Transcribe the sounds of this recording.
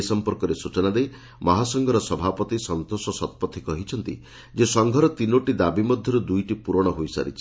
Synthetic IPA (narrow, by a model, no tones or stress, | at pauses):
sɔmpɔɾkɔɾesut͡ʃɔnad̪ej | mɔɦasɔŋɡʱɔɾɔsɔbʱapɔt̪isɔnt̪osɔsɔt̪̚pɔt̪ʰːikɔɦit͡ʃʰɔnt̪ḭ | d͡ʒesɔŋɡʱɔɾɔt̪inoʈid̪abimɔd̪ʱjɔɾud̪ujʈipuɾɔɽ̃ɔɦojsa̰ɾḭt͡ʃʰi̥